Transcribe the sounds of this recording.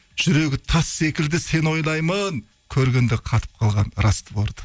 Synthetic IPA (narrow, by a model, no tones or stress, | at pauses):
ʒ̥ʏɾe̞ɡʲɪt̪ʰɑsːe̞kʲɪld̪ɪse̞no̞jlˠɑjməŋ | kʲʰɵɾɡʲend̪ɪqʰɑt̪ə̥p̚qʰɑlˠʁɑnɾɑst̪əboɾd̪ə̥